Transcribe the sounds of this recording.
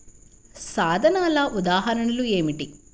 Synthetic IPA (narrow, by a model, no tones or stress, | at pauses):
saːd̪ʱɐnaːlɐʔud̪aːɦɐɾɐnɐlueːmiʈi